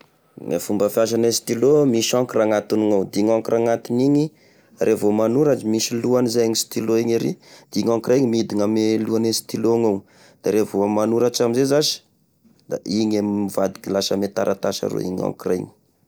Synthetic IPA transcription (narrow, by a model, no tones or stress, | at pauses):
ŋa̰fumbəfjaʃ̬anesi̥t̪ilomiʃaŋkiɾaŋat̪iniŋawd̪iŋaŋkiɾʔaŋat̪iniɲi | rʔevomanuɾad͡ʒimiʃiluanizaaŋisi̥t̪iloiɲeɾḭd̪̥iŋaŋkiɾajɲimid̪iŋameluanesi̥t̪iloŋaw | d̪̥aɾevoamanuɾaʈ͡ʂamizezaʃi̥ | d̪̥a̰iɲammivad̪i̥kilasəmet̪aɾʔat̪aʃa̰ɾo̰ḭɲa̰ŋkirajŋi̥